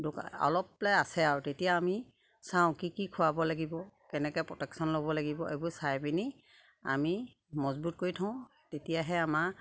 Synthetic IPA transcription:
dʊka̰ɔ̰lɔp̚laasɛaɹutetijaːmi | sãʊ̃kikikʰʊabɔlaɡibɔkɛnɛkɛjpɹɔtɛksɔnlobɔlaɡibɔʔḛbuɹsajbini | a̰mi | mɔzbut̚koɹitʰãʊ̃ | tetijaɦɛama

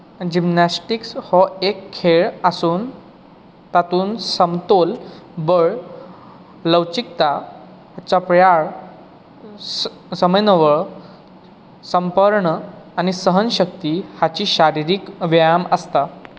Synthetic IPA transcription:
d͡ʑimnasʈikshɔekʰːeɭasuːn | t̪at̪uːnsəmt̪olbəɭ | ləwt͡ɕik̚t̪a | hat͡ɕapɾjaɭ | səməjnəʋəɭ | səmpəɾɳəañisəɦənɕək̚t̪ihat͡ɕiːɕaɾiɾiːkʋəjaməst̪a

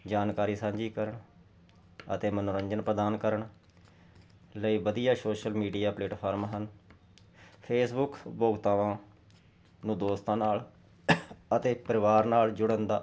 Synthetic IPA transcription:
d͡ʒaːnkaːɾiːsãːɲd͡ʒiːkəɾəɳ | ət̪eːmənõːɾəɲd͡ʒənpɾəd̪aːnkəɾəɳ | ləiːbəd̪ijaːsoːʃəlmiːɖijaːpleːʈpʰaːɾmɦən | pʰeːsbʊkboːɡt̪aːʋãː | nũːd̪oːst̪ãːnaːl | ət̪eːpəɾɪʋaːɾnaːld͡ʒʊɽənd̪aː

